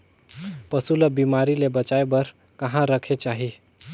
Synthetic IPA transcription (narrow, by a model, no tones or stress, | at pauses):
pəsuləbimaɾilebət͡ʃaebəɾ | kəɦãɾəkʰet͡ʃaɦi